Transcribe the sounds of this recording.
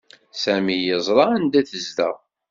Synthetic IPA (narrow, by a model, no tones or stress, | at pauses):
sæmijəzˤɾˤɑænd̪æθəzd̪æ